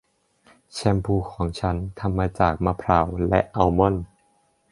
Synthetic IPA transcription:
t͡ɕʰɛ˧mpʰuː˧˩kʰɔː˩˦ŋt͡ɕʰa˦˥nt̪ʰa˧mːaː˧t͡ɕaː˨˩k̚ma˧pʰɾa˨˩˦wlɛ˦˥ʔʔa˧wmɔ˧˥˩n

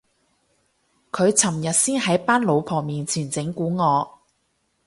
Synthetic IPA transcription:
kʰɵ˨˧ɥt͡sʰɐ˨˩mjɐ˨t̚siː˥nhɐ˨˥jpaː˥nlo˨˧wpʰɔː˨˩miː˨nt͡sʰiː˨˩nt͡sɪ˨˥ŋkuː˨˥ŋɔː˨˧

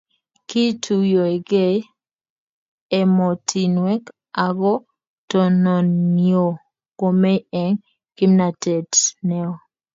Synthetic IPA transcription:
ki˦tʰu˨jo˨e˨ɡe˦˨ | ɛ˨mɔ˨tʰi˨nwɛ˦k | a˨ɡɔ˦ | tɔ˨nɔ˨njo˨ | ko˨me˦ɛ˨ŋ | ki˦mna˨tɛ˨tnɛ˦ɔ˨

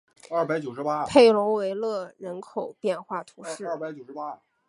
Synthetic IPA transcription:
a˥˩pa˧˥ɪt͡ɕjo˨˩ʊʂɻ̩˥pa˥pʰe˥˩ɪlʊ˧˥ŋwe˧˥ɪlɤ˥˩ɻə˧˥nkʰo˨˩ʊpjɛ˥˧nxwa˥˩t̪ʰu˧˥ʂɻ̩˥˧a˥˩pa˧˥ɪt͡ɕjo˨˩ʊʂ̩˥pa˥˩

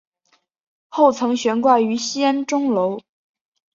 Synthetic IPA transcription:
xo˥˩ʊt͡sʰɤ˧˥ŋɕɥɛ˧˥nkwa˥˩ny˧˥ɕi˥ə˥nʈ͡ʂʊ˥ŋlo˧˥ʊ

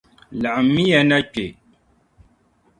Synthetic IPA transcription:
la˨ʔmi˦jɛ˦na˦k͡pe˨

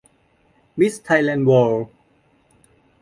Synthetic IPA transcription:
mi˦˥st̪ʰa˧jlɛ˧nwɔː˧l

